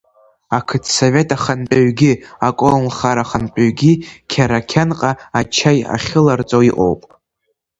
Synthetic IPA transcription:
akʰɨtʰsove̞tʼaχanpʼaɥɡʲiakʷʼolχaɾaχanpʼaɥɡʲikʲʰaɾakʲʰanqʼaat͡ʃʰaja̰χʲɪlart͡sʼoiqʼo̰wpʼ

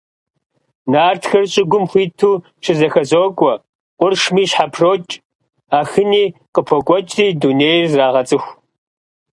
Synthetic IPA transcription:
naːrtʰxɐrɕʼɪɡʷʊmxʷiːtʰuː | ʃɪzɐxɐzoːkʷʼɔ | qʷʼʊrʂmiːɕħapʰroːt͡ʃʼ | aːxɨniːqəpʰɔkʷʼɔt͡ʃʼiːduneːjrzraːʁɐt͡sʼɨxʷ

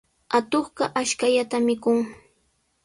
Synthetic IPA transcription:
at̪oχɢɑʔaʃkaʎat̪amɪkʊŋ

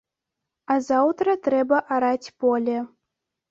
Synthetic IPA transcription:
azawt̪ɾɐt̪ɾɛbɐʔaɾat͡sʲpɔlʲɛ

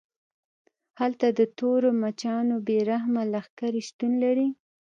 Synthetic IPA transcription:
halt̪ad̪ət̪oɾomat͡ʃɑnobeɾaɦmalaxkaɾiʃt̪unlaɾi

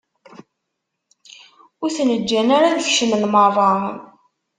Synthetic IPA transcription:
ʊɾθnəd͡ʒːænaɾaðəçʃənəlmɑvˤɑən

